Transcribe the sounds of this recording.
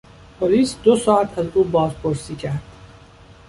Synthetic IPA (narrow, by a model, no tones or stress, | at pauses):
pʰoliːsd̪osɒːæt̪ʰæzuːbɒːzpʰoɾsiːcʰæɾd̪̥